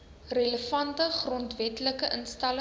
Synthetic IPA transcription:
reləfɐntəχrɔntvɛtləkəʔənstɐl

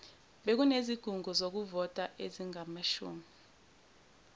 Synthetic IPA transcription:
ɓek̬uneziɡ̥ʱuŋɡʱuzok̬uvɔtʼaʔeziŋamaʃṵːmi

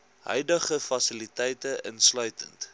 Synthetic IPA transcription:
ɦœ̰ɥdəχəfɐsilitɛjtəʔənslœɥtənt

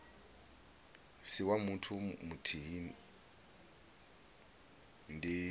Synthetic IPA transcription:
siwamutʰumutʰiɦin | ndi

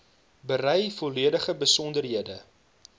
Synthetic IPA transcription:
bərɛjfɔliədəχəbəsɔndərɦiədə

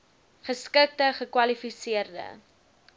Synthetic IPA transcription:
χəskək̚təχəkwɐlifisiərdə̰

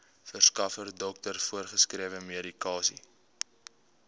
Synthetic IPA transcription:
fərskɐfərdɔk̚tərfuərχəskriəvəmeɾikɑːsi

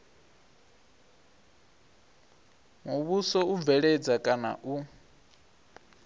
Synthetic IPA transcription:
muβusɔub̪vɛɺɛd͡zakʼana̰ʔu

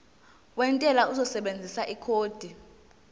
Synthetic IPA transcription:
wɛntʼɛlauzɔsɛɓend͡zʱisaʔikʰoːd̥ʱi

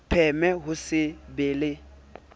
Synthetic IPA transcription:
pʰɛmɛɦʊsɪbeːlɪ

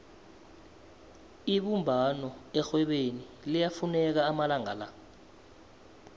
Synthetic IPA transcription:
iɓumbʱanɔɛxwɛɓeni | lijafunɛk̬aːmalaŋa̰la

